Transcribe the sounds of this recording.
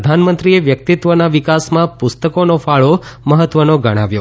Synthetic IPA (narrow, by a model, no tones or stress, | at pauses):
əd̪ʱanmənt̪ɾieʋjək̚t̪it̪ʋənaʋikasmãpʊst̪əkonofaɭoməɦət̪ʋənoɡəɽ̃aʋjo